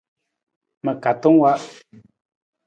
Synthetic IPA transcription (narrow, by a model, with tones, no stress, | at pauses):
mə˨ka˨t̪õ˦ŋwa˦ʔ